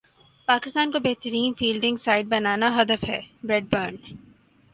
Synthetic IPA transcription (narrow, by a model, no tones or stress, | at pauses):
paːkɪst̪aːnkobeɦt̪əɾiːnfiːlɖɪ̃ŋɡsaːɪɖ̚bɐnaːnaɦɐd̪əfɦɛ̰ːbɾɛːɖ̚bəːɳ